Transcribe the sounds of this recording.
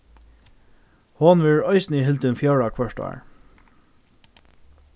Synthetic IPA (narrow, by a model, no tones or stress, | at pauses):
hɔnʋɪɹœɪsnɪɦɪlt̪ɪnfjɑɹakʰʋœʂta̰ːɹ